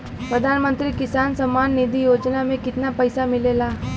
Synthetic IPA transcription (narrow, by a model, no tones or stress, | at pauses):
pɾəd̪ʱaːnmə̃nt̪ɾiːkɪsaːnsəmanːid̪ʱijoːd͡ʒnamẽkɪt̪napəjsamɪlelaː